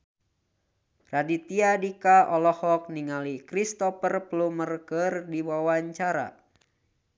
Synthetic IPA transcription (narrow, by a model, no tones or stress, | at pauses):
radit̪iadikaʔɔlɔhɔk̚niŋalikɾist̪ɔpərplumərkərdiwawaɲt͡ʃaɾa̰